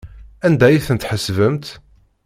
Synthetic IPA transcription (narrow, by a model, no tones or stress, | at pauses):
ænd̪æjiθənt̪ħəsvəmt̪